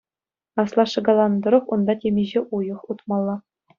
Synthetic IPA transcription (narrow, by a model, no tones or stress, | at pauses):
ɑslˠɑʂɤ̆ɡɑlˠɑnd̪ɤ̆ɾɤ̆χund̪ɑtʲemʲiʑeʔujɤ̆χut̪mɑlˠːɑ